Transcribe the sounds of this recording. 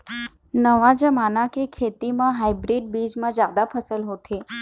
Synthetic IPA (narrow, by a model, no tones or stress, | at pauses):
nəʋad͡ʒəmanakekʰet̪imãɦajbɾiɖ̚bid͡ʒmãd͡ʒad̪apʰəsəlɦot̪ʰe